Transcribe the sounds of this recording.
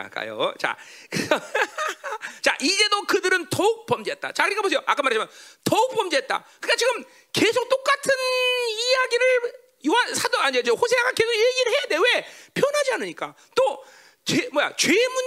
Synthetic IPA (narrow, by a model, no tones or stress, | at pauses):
a̰k͈a̰jo̰t͡ɕa̰k | t͡ɕa̰ʔid͡ʑe̞dokɯdɯɾɯntʌuk̚p͈ʌmd͡ʑeɦet̚t͈a̰t͡ɕakɯɾek͈ːabos̬ʰejoʔa̰k͈amaɾad͡ʑʰamjʌntʌuk̚p͈ʌmd͡ʑeet̚t͈a̰kɯnk͈at͡ɕiɡɯm | ke̞sʰok̚t͈ok͈atʰɯnijaɡiɾɯɭ | juasʰadʌaɲed͡ʑehosʰeaɡake̞sʰokjeɡiɾɭhe̞jade̞we̞pʰjʌnɦad͡ʑiɦanɯɲik͈a | t͈o | t͡ɕemwʌja̰t͡ɕwemu